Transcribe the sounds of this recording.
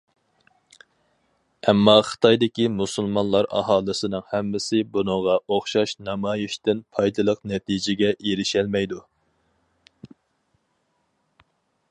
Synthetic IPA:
ɛmːɑχə̥t̪ʰɑjd̪ɪkʲimusulˠmɑnlˠɑɾɑ̰hɑːlˠɨsɨnɨŋhɛmːɪsɪbunɨŋʁɑʔoχʃɑʃnɑmɑːjiʃt̪ɪnpʰɑjd̪ɨlˠəqnɛt̪ʰid͡ʒɪɡʲɛʔeɾɪʃɛlmɛjd̪u

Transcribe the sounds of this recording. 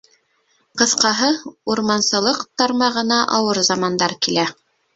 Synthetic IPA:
qɤ̆θqɑɦɤuɾmɑnsɤ̆lˠɤqt̪ɑɾmɑʁɤ̆nɑʔɑwɤɾzɑmɑnd̪ɑɾkilæ

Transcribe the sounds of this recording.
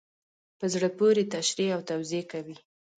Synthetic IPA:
pəzɽəpoɾet̪aʃɾeawt̪awziekawi

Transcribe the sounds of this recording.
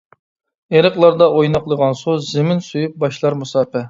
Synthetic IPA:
eɾəχlˠɑɾd̪ɑʔojnɑqlˠəʁɑnsuzɪmɪnsujup̚bɑʃlˠɑɾmusɑːpɛ

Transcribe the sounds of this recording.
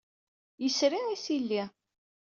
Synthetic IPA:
jəsɾiʕisilːi

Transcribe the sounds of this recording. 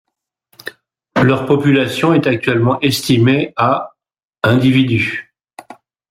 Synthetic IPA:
lœʁpɔpylasjɔ̃ɛt̪ak̚t̪ɥɛlmɑ̃ʔɛst̪imea | ɛ̃d̪ivid̪y

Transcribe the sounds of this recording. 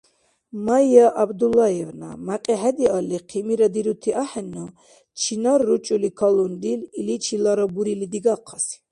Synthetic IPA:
majaʔabd̪ulajɛvna̰maqʼiħɛd̪ialiqʰimiɾad̪iɾut̪ʰiʔaħɛnɔ | t͡ʃʰinaɾːut͡ʃʼulikʰɔlund̪ililit͡ʃʰilaɾɔbuɾilid̪iɡaqʰːasi̥

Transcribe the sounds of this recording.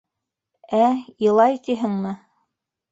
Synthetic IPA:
æjɤ̆lˠɑjt̪iɦɘ̆ŋmɘ

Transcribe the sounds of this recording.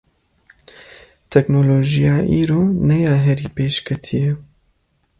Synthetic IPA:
t̪ʰɛknoloːʒijɑːʔiːɾoːnɛjɑːɦɛɾiːpeːʃkʰɛt̪ʰijɛ

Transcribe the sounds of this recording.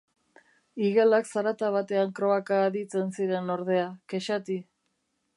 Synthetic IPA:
iɣelaksaɾat̪aβat̪e̞aŋkɾo̞akaːðit͡se̞nsiɾe̞no̞ɾð̞e̞akeʃat̪i

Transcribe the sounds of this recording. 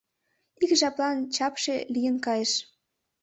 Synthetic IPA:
ikʒɑplɑnt͡ɕɑpʃelijənkɑjeʃ

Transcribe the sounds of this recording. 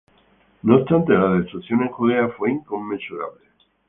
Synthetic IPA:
noːst̪ant̪e̞laðest̪ɾukθjo̞neŋkuðeafwe̞iŋko̞mːensuɾa̰βle

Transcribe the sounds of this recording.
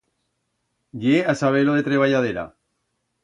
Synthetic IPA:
ʎeasaβ̞eloðet̪ɾeβ̞aʝað̞eɾa̰

